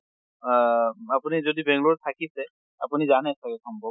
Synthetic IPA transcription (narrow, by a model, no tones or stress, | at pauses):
apunizodibɛŋɡluɹt̪ʰakisɛ | a̰punizanɛsakɛkʰɔmbɔ